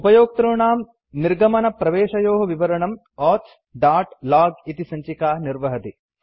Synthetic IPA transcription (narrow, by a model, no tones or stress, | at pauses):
upɐjoːk̚t̪ɾuɳaːm | niɾɡɐmɐnɐpɾɐʋeːʃɐjoːɦɐʋiʋɐɾɐɳɐm | ɔːt̪s | ɖaːʈlaːɡit̪isɐɲt͡ʃikaːniɾʋɐɦɐt̪i